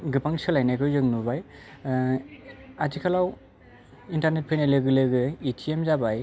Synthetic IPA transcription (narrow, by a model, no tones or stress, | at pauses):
ɡɯpaŋsɯlajnajkʰɯzɯŋnubaj | atikʰalaw | intaɾnet̚pʰɯjnajlɯɡɯlɯɡɯitʰiemzabaj